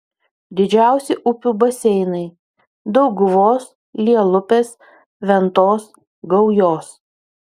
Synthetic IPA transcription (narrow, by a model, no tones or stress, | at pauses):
d̪ʲɪd͡ʒʲæˑʊsʲɪʔʊpʲuːbɐsʲɛɪnɐɪ | d̪ɒʊɡʊʋoːs | lʲiɛlˠʊpʲeːs | ʋʲɛnt̪oːs | ɡɐʊjoːs